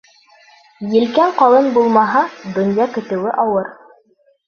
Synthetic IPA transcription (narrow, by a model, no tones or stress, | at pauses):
jɘ̆lkæɴqɑlˠɤnbulˠmɑɦɑd̪ŏnjɑkɘ̆t̪ɘ̆wɘʔɑwɤɾ